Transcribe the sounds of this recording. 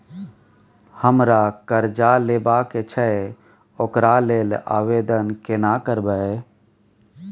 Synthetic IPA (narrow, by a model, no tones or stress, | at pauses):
həmɾakəɾd͡ʒalebaket͡ʃʰɛ | okɾaleːla̰ːʋed̪ənkenakəɾbəe